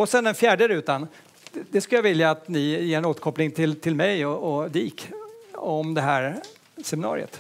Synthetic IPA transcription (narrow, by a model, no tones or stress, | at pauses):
ɔsɛnd̪ɛnfjæːɖəɾʉ̟ːt̪an | d̪ɛskɵljavɪljaːt̪nɪjeːɾɛnoːt̪ə̥ɾkʰɔplɪŋt̪ʰɪlt̪ʰɪlmɛjɔɔd̪iːk | ɔmd̪ɛɦæːɾ | sɛmɪnɑ̰ːɾɪ̰ə̰t̪